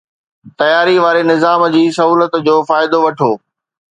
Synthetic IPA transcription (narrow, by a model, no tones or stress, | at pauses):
t̪ɐjaːɾiʋaːɾenɪzaːmd͡ʑiːsɐɦuːlət̪d͡ʑoːfaːɪd̪oʋɐʈʰoː